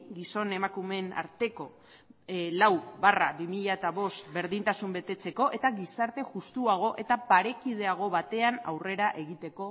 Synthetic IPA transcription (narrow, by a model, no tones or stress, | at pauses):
ɡiso̞ne̞makume̞na̰ɾt̪e̞ko̞ | lawbarabimiʎaet̪aβo̞st̪be̞ɾðint̪asumbe̞t̪e̞t͡se̞ko̞ʔe̞t̪aɣisaɾt̪e̞ʝust̪uaɣ̞o̞ʔe̞t̪apaɾe̞kið̞e̞aɣ̞o̞βat̪e̞ana̰wre̞ɾaʔe̞ɣit̪e̞ko̞